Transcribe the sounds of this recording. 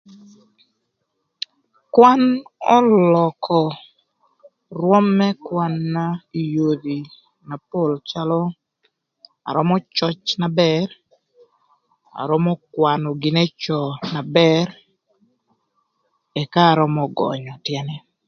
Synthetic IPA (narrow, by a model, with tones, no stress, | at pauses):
kwa˦nɔ˦lɔ˨kʰɔ˨ | rwɔ˦mːɛ˦kwa˦nːa˦i˨jo˨d̪i˨ | na˨po˦˨lt͡ʃalɔ˦ | a̰˨ɾɔ˦mɔ˦t͡ʃɔ˦t͡ʃna˨bɛɾ | a̰˨ɾɔ˦mɔ˦kwanɔ˨ɡɪ˨ne˦t͡ʃɔ˨na˨bɛɾ | ɛ˨kaː˦˨ɾɔ˦mɔ˨ɡɔ̰ɲɔ˨tjɛ˦nɛ˦